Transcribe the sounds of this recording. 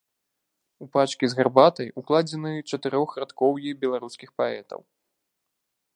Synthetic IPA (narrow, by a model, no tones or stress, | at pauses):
upat͡ʂkʲizɣarbat̪ɐjuklˠad͡zʲɛnɨt͡ʂɐt̪ɨɾɔxɾat̪kɔwjibʲɛlˠaɾuskʲixpaɛt̪ɐ̰w